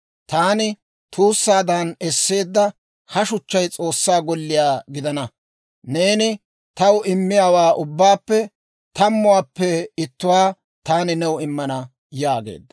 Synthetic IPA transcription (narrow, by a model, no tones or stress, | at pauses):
t̪aːnɪ | t̪ʰuːsːaːd̪ɐnɛsːe̞ːd̪ːɐ | hɐʃʊt͡ʃːɐjt͡sʼo̞ːsːaːɡɔlːɪjaːɡɪd̪ɐnɐ | ne̞ːnɪ | t̪ɐwʔɪmːɪjaːwaːʔʊbːaːpːɛ | t̪ɐmːʊwaːpːɛɪt̪ːʊwaː | t̪aːnɪnɛwɪmːɐnɐ | jaːɡḛːd̪ːɐ̥